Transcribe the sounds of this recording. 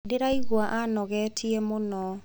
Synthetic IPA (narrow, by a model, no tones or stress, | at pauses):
dɪɾaiɡwaʔanɔɡɛtʰjemonɔ